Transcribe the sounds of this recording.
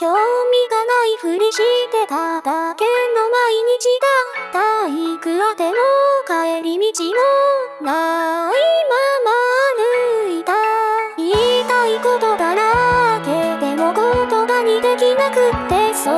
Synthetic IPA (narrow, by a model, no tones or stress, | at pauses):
kʲomʲiɡanaiɸɯ̟ɲiɕit̪e̞t̪at̪akenːomaiɲ̟it͡ɕid̪at̪aikɯ̟ɾad̪e̞mokaeɾimʲit͡ɕimonaimamaɾɯ̟it̪ait̪aikot̪o̞ɡ̪anaked̪e̞mo̞kot̪o̞baɲ̟id̪e̞kʲinakɯ̟t̪ːe̞so